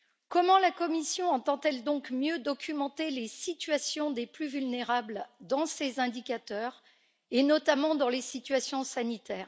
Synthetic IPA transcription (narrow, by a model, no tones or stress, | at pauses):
kɔmɑ̃lakɔmisjɔ̃ɑ̃t̪ɑ̃t̪ɛld̪ɔ̃kmjød̪ɔkʲymɑ̃t̪elesit̪ɥasjɔ̃d̪eplyvylneʁabld̪ɑ̃sezɛ̃d̪ikʲat̪œːʁ | enɔt̪amɑ̃d̪ɑ̃lesit̪ɥasjɔ̃sanit̪ɛːʁ